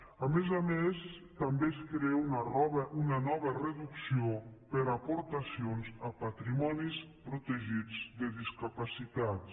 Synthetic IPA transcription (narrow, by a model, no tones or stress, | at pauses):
amezamest̪ambeskɾeunɔβəʔunanɔβərəðuksiopəɾapoɾt̪asionzəpat̪ɾimɔnispɾut̪əʒid͡zd̪əðiskapasit̪at̪